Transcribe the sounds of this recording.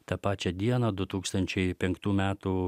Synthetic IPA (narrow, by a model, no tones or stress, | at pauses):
t̪ɐpɑːt͡ʃʲɛd̪ʲiɛnɐːd̪ʊt̪uːkst̪ɐnʲt͡ʃʲɛɪpʲɛŋkt̪uːmʲæːt̪u